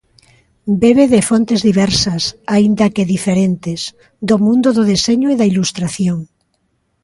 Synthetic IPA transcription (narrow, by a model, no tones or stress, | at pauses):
beβeðefont̪ezðiβɛɾsɐsaind̪ɐkeðifeɾent̪es | d̪omũnd̪oðoðeseɲoiðailust̪ɾaθjoŋ